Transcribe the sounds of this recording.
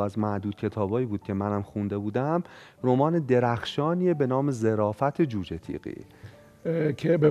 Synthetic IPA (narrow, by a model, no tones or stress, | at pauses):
æzmæd̪uːd̪̚cʰe̞t̪ʰɒːbɒːiːbuːd̪̥̚cʲʰe̞mænæmxund̪e̞buːd̪æm | ɾo̞mɒːned̪e̞ɾæxʃɒːniːebe̞nɒːme̞ze̞ɾɒːfæt̪ʰed͡ʒuːd͡ʒet̪ʰḭɣḭː | kʰebe